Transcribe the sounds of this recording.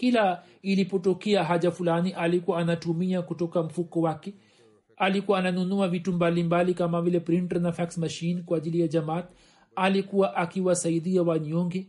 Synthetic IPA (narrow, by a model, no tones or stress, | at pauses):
kila | ilipɔtɔkɛaɦaʄafulaniʔalikuwaːnatumiakutɔkam̩fukɔwakɛ | alikuwaːnanunuavitumbalimbalikamavilɛpɾintɔnafaksmaʃinkwaːʄilijad͡ʒamat̪ | alikuwaʔakiwasaiɗiawaɲɔŋɡɛ